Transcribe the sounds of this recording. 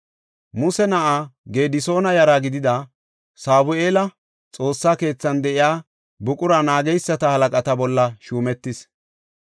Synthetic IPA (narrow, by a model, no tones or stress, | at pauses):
mʊsɛnɐʔaɡe̞ːd̪ɪso̞ːnɐjɐɾaɡɪd̪ɪd̪ɐ | saːbʊe̞ːlɐ | t͡sʼo̞ːsːaːke̞ːt͡sːɐnd̪ɛʔɪjaː | bʊkʼʊɾɐnaːɡɛjsːɐt̪ɐhɐlɐkʼɐt̪ɐbɔlːɐʃuːmɛt̪ːɪs